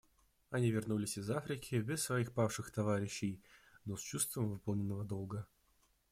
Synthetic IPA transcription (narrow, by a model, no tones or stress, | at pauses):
ɐnʲivʲɪrnulʲɪsʲɪzafɾʲɪkʲʰɪbʲɪsːvɐixpafʂɨxt̪ɐvaɾʲɪɕːɪjnost͡ɕust̪vəmvɨpəlˠnʲɪnːəvəd̪olˠɡə